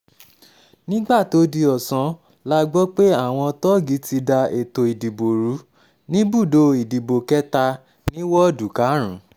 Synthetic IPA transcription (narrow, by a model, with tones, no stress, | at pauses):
nĩ˦ɡ͡ba˦˨to˨˦di˧ɔ˨sã˧˦ | la˦ɡ͡bɔ˦k͡pe˦a˦˨w̃ɔ̃˧tɔ˦ɡi˨˦ti˧da˧e˨to˨i˨di˨bo˨ɾu˨˦ | nĩ˦bu˦˨do˧i˨di˨bo˨kɛ˦ta˧ | nĩ˦wɔ˦˨du˨ka˨˦ɾ̃ũ˨˦